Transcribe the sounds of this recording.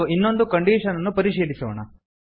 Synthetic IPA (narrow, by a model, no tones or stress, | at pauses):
uinːo̞nd̪ukɐɳɖiːʂɐnɐnːupɐɾiʂiːlisɐʋɐɳɐ̰